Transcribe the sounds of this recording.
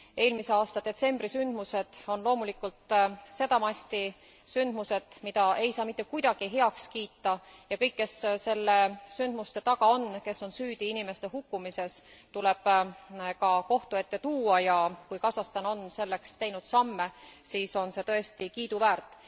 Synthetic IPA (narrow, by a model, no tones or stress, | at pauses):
e̞ːlmise̞ɑːst̪ɑd̪̥e̞t̪se̞mb̥risynd̪̥muse̞d̪̥o̞nlo̞ːmulikːult̪se̞d̪ɑmɑsʲt̪i | synd̪̥muse̞d̪̥mid̪̥ɑʔe̞jsɑːmit̪ːˑekujd̪̥ɑɡ̥iɦe̞ɑkskiːt̪ːɑjɑkɤ̞jkːe̞sse̞lːe̞synd̪̥must̪e̞t̪ɑɡ̥ɑo̞nke̞so̞nsyːd̪̥iinime̞st̪eɦhukːˑumise̞st̪ule̞b̥kɑko̞ht̪ue̞t̪ːe̞t̪uːɑjɑkujkɑsɑst̪ɑno̞nse̞lːe̞kst̪e̞jnud̪̥sɑmːe̞siːso̞nse̞t̪ɤest̪ikiːd̪uvæːrt̪ːˑ